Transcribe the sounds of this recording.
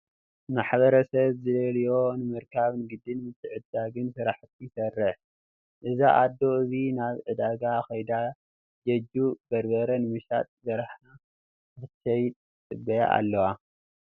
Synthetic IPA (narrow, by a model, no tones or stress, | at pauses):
maħbɐɾɐsɐβzɨlɐljo̞nɨmɐɾkʰaβnɨɡɨd̪ɨnmɨt̪ʼːɨʕɨd̪ːaɡɨnsɨɾaħt̪ʰijɪsɐrːɨħ | ʔɨzaʔad̪ːo̞ɨzinaβʕɨd̪aɡaxɐjd̪a | d͡ʒɐd͡ʒub̥ɐɾbɐɾɐnɨmɨʃa̰t̪ʼzɐɾaħna | ɨtɐjt̪ʼɨbːɐja̰ʔa̰lːɐwa